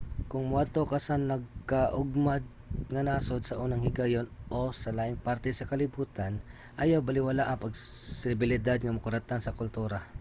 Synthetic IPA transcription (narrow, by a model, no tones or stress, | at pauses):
kʊŋmʊad̪̚t̪okɐsanːɐɡ̚kaʔʊɡmad̪̚ŋɐnaːsod̪̚sɐʔuːnɐŋhɪɡajonʔosɐlaːʔɪŋpaɾt̪ɛsɐkɐlɪbuːt̪an | ʔajawbɐlɪwalaʔɐŋpɐɡsɪbɪlɪd̪ad̪̚ŋɐmɐkʊɾat̪ansɐkʊlt̪uːɾa